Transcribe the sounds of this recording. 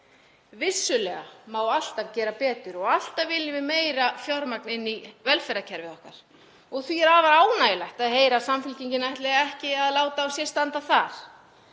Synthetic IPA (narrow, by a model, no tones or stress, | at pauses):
vɪsːʏlɛɣa̰maːwal̥t̪acɛːɾapɛːt̪ʏɾɔɣal̥t̪avɪlːɪmɪmeːjɾafjɔɾmaknɪnːivɛlfɛɾacʰɛɾvɪðɔhkaɾ̥ | ɔɣθviɛɾaːvaɾaːwnajɪlajht̪aðɦeːjɾasamfʏlciɲcɪnajht̪lɛɣaɛhcɪaðlaːwt̪aːwsjɛst̪ant̪aθaɾ̥